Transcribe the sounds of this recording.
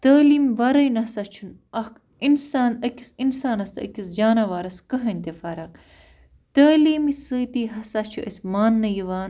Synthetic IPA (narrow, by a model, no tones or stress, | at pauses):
t̪ɐːliːmʋɐɾɐjnɐsɐt͡ʃʰunɐk | insaːnɐkʲisinsaːnɐst̪ɐ̰kʲisd͡ʒaːnɐʋaːɾɐskɐɦɐnʲt̪efɐɾɐk | t̪ɐːliːmisət̪iːɦɐsat͡ʃʰuʔɐsmaːnːɐjiʋaːn